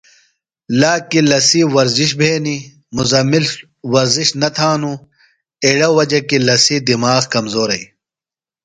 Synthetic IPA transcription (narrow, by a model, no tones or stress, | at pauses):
laːkilɐsiwɐɾziɕ̬bʱeːni | muzɐmil | wɐɾziɕnɐt̪ʰaːnu | eɽɐwɐd͡ʑɐkilɐsid̪imaːɣkɐmzoːɾɐi